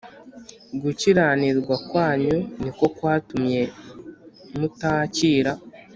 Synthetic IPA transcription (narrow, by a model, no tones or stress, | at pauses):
ɡuciɾaːniɾɡwakwaːɲuniko̞kwaːtumɲe̞ | mutaːciːɾa